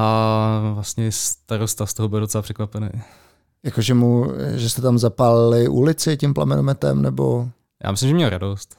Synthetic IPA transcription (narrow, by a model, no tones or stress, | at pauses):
ʔavlasɲɛst̪aɾost̪ast̪oɦobɪldot͡sɛlapr̥ɛkvapɛnɛ̰ | jakoʒɛmuʒɛst̪ɛt̪amzapalɪlɪʔṵlɪt͡sɪcɪmpla̰mɛnomɛt̪ɛ̰mnɛbo̞̰ | ja̰ːmɪslɪmʒɛmɲɛlɾadost̪